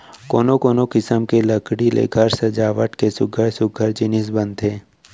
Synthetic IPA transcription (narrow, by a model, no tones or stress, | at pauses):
koːnokoːnokɪsəmkelɐkɽilḛɡʱɐɾsɐd͡ʒaːʋəʈkesʊɡʱəɾsʊɡʱəɾd͡ʒɪnɪs̬bə̃nt̪ɦeː